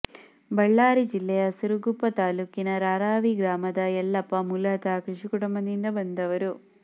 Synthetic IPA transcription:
bɐɭːaːɾid͡ʒilːɐjɐsuɾuɡupːɐt̪aːluːkinɐɾaːɾaːʋiɡɾaːmɐd̪ɐjɛlːɐpːɐmulɐɐt̪aːkɾuʂikuɽɐmɐnind̪ɐbɐnd̪ɐʋɐɾu

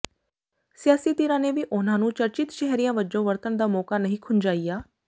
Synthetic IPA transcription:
sɪjaːsiːt̪ɪɾãːneːʋiːʔʊnãːnũːt͡ʃəɾt͡ʃɪt̪ʃɛɦɾijãːʋəd͡ʒõːʋəɾt̪ənd̪aːmɔːkaːnəɦĩːkʰʊnd͡ʒaːiːjaː

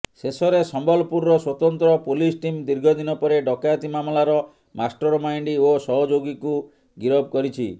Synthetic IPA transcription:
sesɔɾesɔmbɔlɔpuɾːɔswɔt̪ɔnt̪ɾɔpolisʈimd̪iɾɡʱɔd̪inɔpɔɾeɖɔkat̪imamlaɾɔ | masʈɔɾmajɳɖiosɔɦɔd͡ʒoɡiku | ɡiɾɔb̚kɔɾit͡ʃʰḭ

